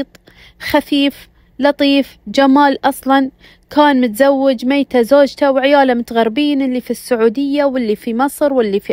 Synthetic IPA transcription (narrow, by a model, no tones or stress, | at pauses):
t̪ˤ | xafiːf | lɑt̪ˤiːfd͡ʒamaːlʔɑsˤlɑn | kaːnmʊt̪zawːɪd͡ʒmeːt̪azoːd͡ʒt̪awʕɪjaːlamʊt̪aɣaɾbiːnʔɪlːifisːʊʕuːd̪ɪjːawɪlːifimɨsˤɾwɪlːifi